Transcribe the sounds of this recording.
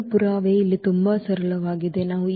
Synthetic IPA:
puɾaːʋeːilːit̪umbɐsɐɾɐɭɐʋaːɡid̪e̞naːʋu

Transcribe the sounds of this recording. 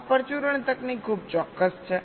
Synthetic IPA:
pəɾt͡ʃuɾəɳt̪əknikʰub̚t͡ʃɔkːəst͡ʃʰe

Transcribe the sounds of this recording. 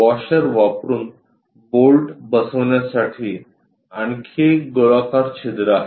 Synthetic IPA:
ʋɔɕəɾʋapɾuːn | bolʈbəsəʋɳjasaʈʰiː | aɳkʰeɡolakaɾt͡ɕʰed̪ɾa

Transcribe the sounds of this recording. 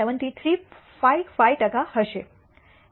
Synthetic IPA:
əʋənt̪iːt̪ʰɾiː | fajfajʈəkahəʃe

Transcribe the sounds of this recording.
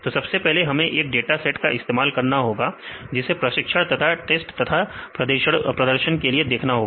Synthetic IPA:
t̪osɐbsepɛɦleɦɐmẽʔeːk̚ɖeːʈasɛːʈkaʔɪst̪eːmaːlkɐɾnaɦoːɡad͡ʒɪsepɾɐʃɪkʃəɽt̪ɐt̪ʰaʈeːsʈt̪ɐt̪ʰapɾɐd̪əʃəɽpɾɐd̪əɾʃənkelied̪eːkʰnaɦoːɡ

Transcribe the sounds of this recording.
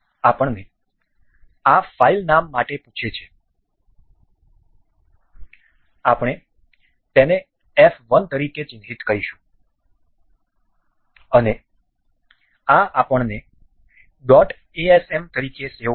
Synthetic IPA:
apəɳne | afailnamːaʈeput͡ʃʰet͡ʃʰe̥ | apəɳ̃e | t̪ene | ɛfʋənt̪əɾiket͡ʃɪnɦit̪kəɾiʃũ̥ | əne | aapəɳne | ɖɔʈ | eɛsɛmt̪əɾikese

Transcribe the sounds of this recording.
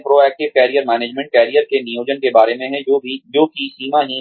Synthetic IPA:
pɾoːɛːk̚ʈɪʋkɛːɾijəɾmɛːneːd͡ʒmɛ̃ɳʈ̚kɛːɾijəɾkenijoːd͡ʒənkebaːɾemẽɦɛ̃oid͡ʒoːkisiːmaɦi

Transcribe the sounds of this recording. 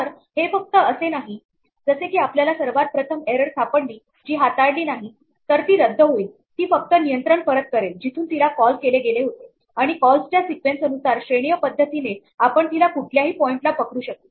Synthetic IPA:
t̪əɾ | hefək̚t̪əəsenaɦi | d͡zəsekiːapljalasəɾʋat̪̚pɾət̪ʰəmeɾəɾst̪ʰapəɳliː | d͡ʑiːɦat̪aɽliːnaɦi | t̪əɾt̪iːɾəd̪ʱːəɦoiːl | t̪iːfək̚t̪ənijənt̪ɾəɳfəɾət̪̚kəɾeld͡ʑit̪ʰuːnt̪ilakɔlkeleɡeleɦot̪e | aɽ̃ikɔlst͡ɕjasikʋensənusaɾɕɾeɽ̃ijəpəd̪ʱːət̪ine | apəɳt̪ilakuʈʰljaɦiːpɔiɳʈlapəkɾuːɕək̚t̪e

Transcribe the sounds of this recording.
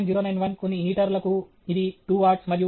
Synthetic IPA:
nd͡ʒiːɾoːnɐjnʋɐnkonːiɦiːʈɐɾlɐku | id̪iʈuːaːɾʈsmɐd̪ʱju

